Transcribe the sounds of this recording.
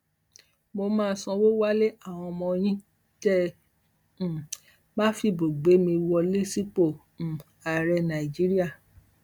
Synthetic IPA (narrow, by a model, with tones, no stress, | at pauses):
mo˧mãː˦˧˦sɔ̃˧wo˦wa˦le˦ʔa˦˨w̃ɔ̃˧mɔ̃˧j̃ĩ˦ | tɛ˦˨ | mã˦fi˧bo˨ɡ͡be˨˦mĩ˧wɔ˧le˦si˦k͡põ˦˨ | a˨ɾɛ˧nã˨i˨d͡ʒi˨˦ɾi˦a˦˨